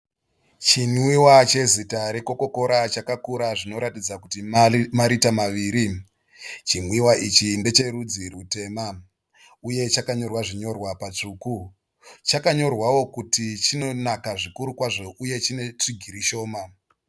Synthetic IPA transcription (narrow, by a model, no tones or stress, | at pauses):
t͡ʃinwiwat͡ʃe̞zitaɾe̞ko̞ko̞ko̞ɾat͡ʃakakuɾaʐino̞ɾatid͡zakutimaɾitamaʋiːɾi | t͡ʃinwiwaʔit͡ʃinde̞t͡ʃe̞rud͡zirute̞ːma | uje̞t͡ʃakaɲo̞rwaʐiɲo̞rwapat͡ʂuːku | t͡ʃakaɲo̞rwawo̞kutit͡ʃino̞nakaʐikuɾukwaʐo̞ʔuje̞t͡ʃine̞t͡ʂiɡʱiɾiʃo̞ːma